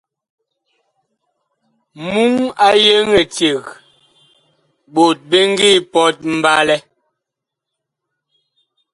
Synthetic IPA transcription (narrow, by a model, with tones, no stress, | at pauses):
mu˦ŋa˦je˦ŋɛ˨te˨ɣ | bo˨t̚be˦ŋ˦ɡi˦˨pɔ˦t̚m̩˨ba˦lɛ˦